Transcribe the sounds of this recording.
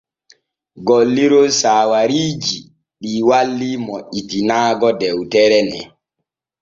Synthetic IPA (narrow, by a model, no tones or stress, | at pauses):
ɡolːiɾosaːwaɾiːd͡ʒi | ɗiːwalːimoʔːitinaːɡɔdɛwtɛɾɛnɛ̰